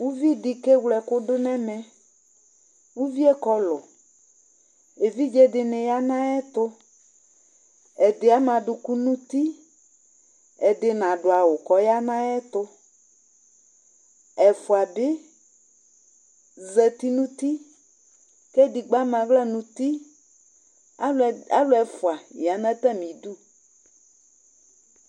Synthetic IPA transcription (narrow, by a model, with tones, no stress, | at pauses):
wu˦vi˦dɪ˨kɛ˦wlɛ˨kʊ˦dʊ˦nɛ̃˦mɛ̃˦ | wu˦vi˦ɛ˦kɔ˨lʊ˨ | e˨vi˦d͡ʒɛ˦dɪ˨nɪ̃˨ja˦nã˦ɛ˦t̪ʊ˦ | ɛ˨dɪ˨a˨˦mã˨dʊ˨ku˦nũ˦t̪i˦ | ɛ˨dɪ˨nã˨ɖʊ˨a˨wʊ˨kɔ˨ja˦nã˦ɛ˦t̪ʊ˦ | ɛ˨fʊ˨a˨bɪ˦ | zɛ˨t̪i˦nũ˦t̪i˦ | kɛ˦di˨ɡ͡ba˦m˦ã˨vla˦nũ˨t̪i˦ | a˦lʊ˨˦ɛ˨fʊ˨a˨ja˨nã˦t̪ɛ˦mĩ˨d̪u˦